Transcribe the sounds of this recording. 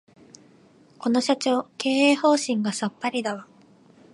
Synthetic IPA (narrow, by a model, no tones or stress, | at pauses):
ko̞no̞ɕat͡ɕo̞ːke̞ːeːho̞ːɕĩŋɡasapːaɾʲid̪aβa